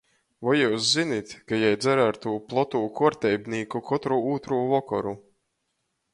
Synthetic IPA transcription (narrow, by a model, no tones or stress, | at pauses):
vɔjuːszinit̪ʲkajajd̪zæɾaɾt̪uːplˠɔt̪uːkuɔɾt̪ʲɛjbniːkukʰɔt̪ɾuuːt̪ɾuːvɔkɔ̰ɾu